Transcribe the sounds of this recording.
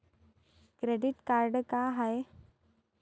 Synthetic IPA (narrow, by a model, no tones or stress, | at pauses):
kɾeɖiʈkaɾɖkaɦaj